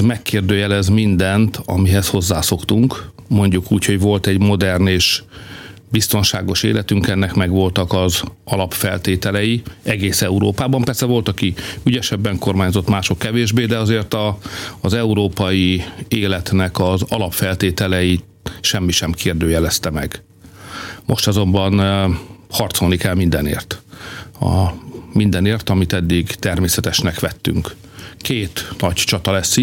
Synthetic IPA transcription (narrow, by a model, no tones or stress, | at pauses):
mɛkːeːrd̪øːjɛlɛzmind̪ɛnt̪ʰɒ̰miɦɛsho̞zːaːsokt̪uŋk | mo̞ɲɟukuːcʰho̞ɟʋo̞lt̪ɛɟmo̞d̪ɛrneːʃ | bist̪o̞nʃa̰ːɡo̞ʃḛːlʔɛt̪yŋkɛnːɛkmɛɡʋo̞lt̪ɒkɒzɒlɒpfɛlt̪eːt̪ɛlɛjiɛɡeːsɛuɾo̰ːpaːbɒmpɛrsɛvo̞lt̪ɒkiyɟɛʃɛbːɛŋko̞rmaːɲzo̞t̪maːʃo̞kːɛveːʒbeːd̪ɛɒzeːrt̪ɒːzɛuɾoːpɒjieːlɛt̪nɛkɒzɒlɒpfɛlt̪eːt̪ɛlɛji | ʃɛmːiʃɛmkʰeːrd̪øːjɛlɛst̪ɛmɛɡ | mo̞̰ʃt̪ɒzo̞mbɒn | hɒrt̪so̞lnikɛlmind̪ɛnḛːrt̪ | ɒ̰mind̪ɛneːrt̪ɒmit̪ɛd̪ːiɡt̪ɛrmeːsɛt̪ɛʃnɛkʋɛt̪ːy̰ŋkː | eːt̪nɒct͡ʃɒt̪ɒlɛsːi